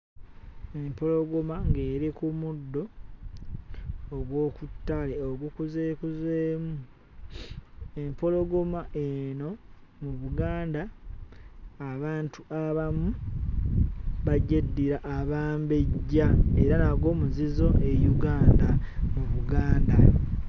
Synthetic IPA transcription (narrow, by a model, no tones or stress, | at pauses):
empo̞lo̞ɡomaŋɡe̞ːɾikumudːo̞ | ɡwo̞ːkutːaleoɡukuzeːkuzeːmu | empo̞lo̞ɡomaʔeno̞muβuɡaːnda | βaːntuʔaβamu | βaɟedːiɾaʔːβaːmbe̞ɟːaeɾanaɡwo̞ːmuzizo̞ʔe̞juɡaːnda | muβuɡaːnda